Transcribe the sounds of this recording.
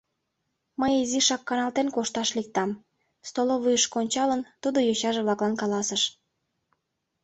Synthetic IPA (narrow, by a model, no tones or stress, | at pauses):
məjiziʃɑkːɑnɑlt̪enkoʃt̪ɑʃlik̚t̪ɑm | st̪oloβujəʃkonʲt͡ɕɑlənt̪ud̪ojoɕɑʒeβlɑklɑnkɑlɑsəʃ